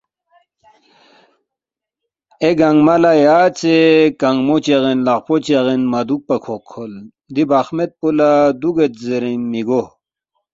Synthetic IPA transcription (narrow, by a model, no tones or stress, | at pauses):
eɡaŋɡmalajaːt͡sekaŋɡmot͡ɕeɣenlaqpot͡ɕeʁenmad̪uk̚pakʰokʰːol | d̪ibaxmet̪̚pulad̪uɡet̪zeɾimiɡo